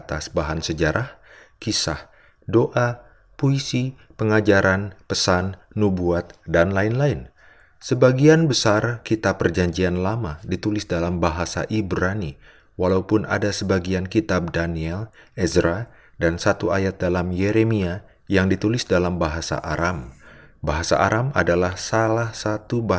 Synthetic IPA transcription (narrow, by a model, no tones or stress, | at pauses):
t̪asbaɦansəd͡ʒaɾʔah | kisah | doʔa | puisipəŋad͡ʒaɾanpəsanːubuat̪̚danlaɪnlaɪn | səbaɡianbəsarkit̪apːərd͡ʒaɲd͡ʒianlamadit̪ulɪsdalambaɦasa̰ʔibɾani | walaupʊna̰dasəbaɡiankit̪ab̚daniɛlɛzɾa | dansat̪uajat̪̚dalamjeɾemia | jaŋdit̪ulɪsdalambaɦasa̰ʔaɾam | baɦasa̰ʔa̰ɾʔamadalahsalahsat̪uba